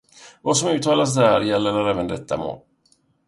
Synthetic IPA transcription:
vasɔmʉ̟ːt̪ʰɑːlas̬d̪æːɾjɛlːəɾaɾɛːvənd̪ɛt̪ʰːa̰mo̰ːl

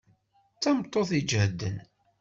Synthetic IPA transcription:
t͡sːæmt̪ˤːoθid͡ʒhəd̪ːə̰n

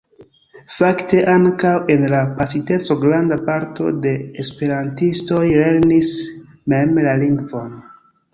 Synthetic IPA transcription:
fakte̞ʔaŋkawe̞nlapasite̞t͡so̞ɡɾandapaɾto̞de̞ːspe̞ɾantisto̞jle̞ɾnis | me̞mlaliŋɡvo̞n

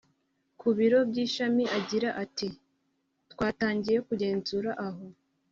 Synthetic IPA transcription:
kuβiɾo̞bɟiːʃamiʔaɟiɾaʔati | tkwaːtaːɲɟije̞kuɟe̞ːnzuːɾaʔaɦo̞

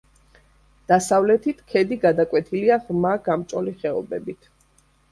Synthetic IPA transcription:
d̪̥asavlɛt̪ʰit̪ʰkʰɛd̪iɡad̪akʼwɛt̪ʰiliaʁmaɡamt͡ʃʼɔliχɛɔ̰bɛbit̪ʰ

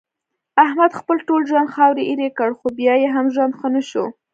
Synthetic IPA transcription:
ahmad̪xpəlʈolʒwand̪xɑwɾiʔiɾekəɽxobjɑjeɦamʒwand̪xənəʃo

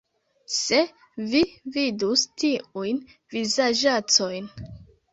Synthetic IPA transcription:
se̞ | vividustiujn | vizad͡ʒat͡so̞jn

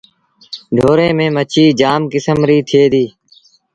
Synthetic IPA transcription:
ɖʱoːɾẽːmẽːmət͡ʃʰiːd͡ʒaːmkɪsəmɾiːt̪ʰɪeːd̪iː

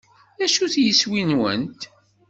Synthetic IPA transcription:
æʃuθjəswinwə̰nt̪

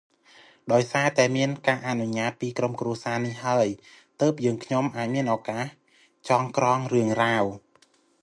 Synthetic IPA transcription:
ɗaɔjsaːt̪aɛmiənkaːʔanuɲaːt̪̚piːkromkruəsaːnihhaəj | t̪əːp̚jəːŋkʰɲomʔaːc̚miənʔɔːkaːh | t͡ɕɑːŋkrɑːŋrɨəŋraːw

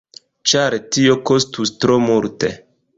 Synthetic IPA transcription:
t͡ʃaɾtio̞kostustɾomuɾte

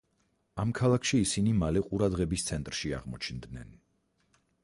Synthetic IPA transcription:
amkʰalˠakʰʃiːsinimalɛqʼuɾad̪ʁɛbist̪sʰɛnt̪ʼɾʃia̰ʁmɔt͡ʃʰnd̪nɛ̰n

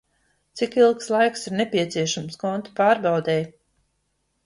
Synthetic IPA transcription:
t̪sikilˠkslˠajksiɾnepʲiɛt̪siɛʃamskɔnt̪u̥paːɾbɑwd̪ɛj

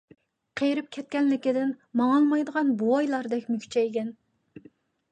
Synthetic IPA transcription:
qʰejɾyp̚kʲʰɛt̪̚kʲɛnlɪkʲɪd̪ɪnmɑŋɑlˠmɑjd̪əʁɑnbuɑjlˠɑɾd̪ɛkʲmykʲt͡ʃʰɛeɡʲɛn

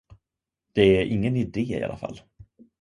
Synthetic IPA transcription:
d̪̥ɛæɾʔɪŋːənɪd̪eːɪ̰ʔa̰lafa̰lː

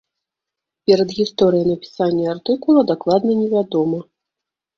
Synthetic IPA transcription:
pʲɛɾɐd̪ɣʲist̪ɔɾɨjɐnɐpʲi̥sanʲːɐart̪ɨkulˠɐd̪aklˠad̪nɐnʲɛvʲad̪ɔmɐ

